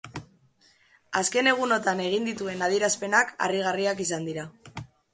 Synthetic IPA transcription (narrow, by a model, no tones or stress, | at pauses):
aske̞ne̞ɣ̞uno̞t̪ane̞ɣ̞ind̪it̪ue̞nað̞iɾaspe̞naka̰riɣ̞ariakisand̪iɾa